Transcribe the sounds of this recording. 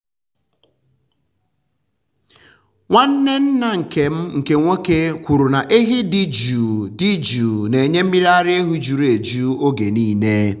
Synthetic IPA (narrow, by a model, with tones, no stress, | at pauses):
ŋʷa˦n̩˦ne˦n̩˦na˨ŋ̩˨ke˨m̩˦ŋ̩˨ke˨ŋʷo˦ke˦kʷu˨ɾu˨na˨ʔe˦ɦi˦di˦d͡ʒu˨di˦d͡ʒu˨ne˨ɲe˦m̩˦mi˦ɾa˦ɾɪ˦e˦ɦu˦d͡ʒu˨ɾe˨d͡ʒu˦o˦ɡe˨niː˦ne˦